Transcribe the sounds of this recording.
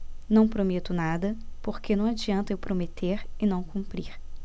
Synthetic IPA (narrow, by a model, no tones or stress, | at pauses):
nɐ̃w̃pɾomet̪ʊnad̪ɐpoɾkenɐ̃w̃ad͡ʒiɐ̃nt̪ɐʊpɾomet̪ʰeɾɪnɐ̃w̃kũmpɾiɾ